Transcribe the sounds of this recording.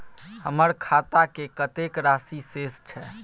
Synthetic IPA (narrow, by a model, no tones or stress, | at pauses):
həməɾkʰat̪akekət̪ekɾasisest͡ʃʰɛ